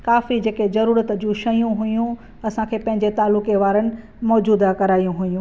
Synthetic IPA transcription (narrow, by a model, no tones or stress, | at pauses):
kaːfid͡ʑeːkezɐɾuːɾət̪d͡ʑũʃɐjũɦʊjũ | ɐsãkʰeːpɐ̃ɦɪɲd͡ʑet̪aːlʊkeʋaːɾənɪ̆ | mɔːd͡ʑuːd̪akɐɾaːijũɦʊjũ